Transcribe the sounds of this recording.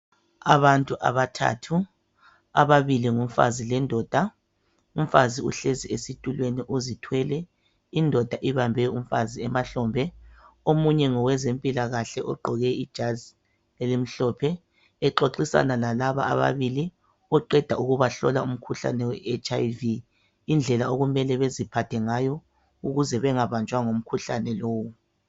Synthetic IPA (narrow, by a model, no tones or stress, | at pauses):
aβantʼuʔa̰βatʰa̰ːtʰu | aβaβiliŋum̩fa̰zilɛndʱɔːd̥ʱa | um̩faziṵɬeziesitʼulweniʔuzitʰwɛlɛ | indʱɔd̥ʱaʔiβambʱɛum̩faziɛmaɬɔːmbʱɛomuɲɛŋɔwɛzempʼilaɣaɬɛʔɔɡ͡ǃʱɔɣɛid̥ʒ̥ʱazi | lelim̩ɬɔpʰɛː | ǃoǃisa̰nalalaβa̰a̰βa̰βili | ɔǃɛd̥ʱauɣuβaɬɔ̰laum̩kʰuɬa̰nɛwɛet͡ʃʼajviː | nd͡ɮʱɛlaoɣumɛlɛβezipʰatʰɛŋajɔ | uɣuzɛβɛŋaβant͡ʃʼwaŋom̩kʰuɬanɛloːwu